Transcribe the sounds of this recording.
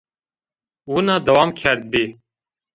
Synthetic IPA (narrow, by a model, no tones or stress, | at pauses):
wunaːd̪ɐwaːmkʰɛɾd̪̚beː